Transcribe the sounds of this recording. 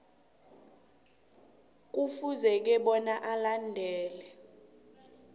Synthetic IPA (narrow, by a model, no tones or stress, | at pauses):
k̬ufuzɛk̬ɛɓɔnaʔalandʱɛːlɛ